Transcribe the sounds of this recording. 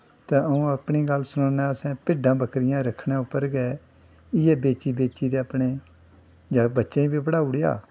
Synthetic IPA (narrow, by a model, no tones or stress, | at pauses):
t̪ẽːəũːəpɳiːɡəlsʊnoːnɛːsɛ̃ːpɪɖãːbəkɾɪjãːɾəkʰːɳẽːʊpːəɾɡɛː | ɪjeːbeːt͡ʃiːbeːt͡ʃiːd̪eːəpneː | d͡ʒaːbətːʃẽːĩːbiːpəɽaːʊɽeja̰ː